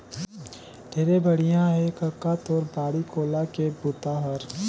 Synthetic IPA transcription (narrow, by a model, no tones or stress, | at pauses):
ɖʱeːɾebʱɐɽijãɦɛkɐkːaːt̪ɔːɾbaːɽikoːlakebʊt̪aɦəɾ